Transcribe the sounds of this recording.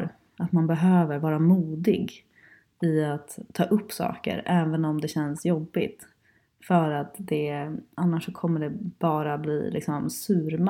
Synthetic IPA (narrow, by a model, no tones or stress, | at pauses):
ɾ | at̪manbɛɦøːvəɾvɑːɾamuːd̪ɪɡ | ɪat̪ʰːɑːʔɵpːsɑ̰ːkə̰ɾɛːvənɔmd̪ɛɕɛnsjɔbːɪt̪ | fœɾat̪d̪ɛanːaʂːɔkʰɔmːəɖɛb̥ɑːɾablḭːlʔɪ̰ksɔmsʉ̟ːɾm